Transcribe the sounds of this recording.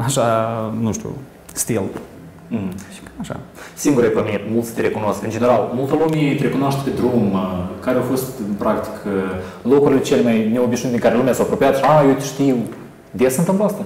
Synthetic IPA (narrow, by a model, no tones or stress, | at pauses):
aʃanuʃt̪ṵ | st̪ilˠ | m̩h̩aʃa̰siŋɡuɾejpəmit̪mulˠt̪sʲt̪eɾekunoskɨnd͡ʒeneɾalˠmulˠt̪olˠumʲit̪eɾekunoaʃt̪ped̪ɾumkaɾeawfost̪ɨnpɾakt̪i̥kʰ | lokuɾilet͡ʃelʲemajneobiʃnit̪ɨŋkaɾelumeasawapɾopiat̪ʃajewt̪ʃt̪iw | d̪esɨnt̪ɨnplast̪ə